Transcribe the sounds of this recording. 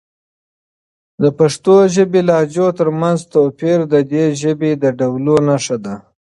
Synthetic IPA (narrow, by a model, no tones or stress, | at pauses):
d̪əpaʂt̪oʒəbelɑd͡ʒot̪əɾmanzt̪opiɾd̪əd̪eʒəbed̪əɖawlonaʂad̪a